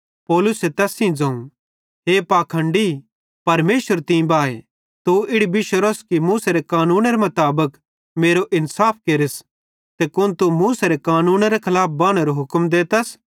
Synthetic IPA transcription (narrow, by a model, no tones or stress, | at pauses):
pɔːlʊset̪ɛːsĩd͡zɐ̃ːũ | ɦeːpaːkʰɐ̃ɳɖi | pɐɾmeːʃʋəɾt̪ĩbaːe | t̪uɪɽibɪʃəɾoskimuːseɾekaːnuːnɾemɐt̪aːbək | meːɾoʔɪnsaːp̚ʰkeːɾɪs | t̪ekʊnt̪umuːseɾekaːnuːnɾekʰɐlaːp̚ʰbaːɽ̃eɾoɦʊkmd̪eːt̪ɐs